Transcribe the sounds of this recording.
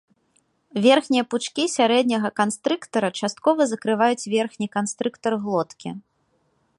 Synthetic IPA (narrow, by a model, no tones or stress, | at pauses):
vʲɛrxnʲijɐput͡ʂkʲisʲaɾɛd̪ʲnʲɐɣɐkanst̪ɾɨkt̪ɐɾɐt͡ʂast̪̚kɔvɐzɐkɾɨvajut͡sʲvʲɛrxnʲikanst̪ɾɨkt̪ɐrɣlˠɔt̪kʲḭ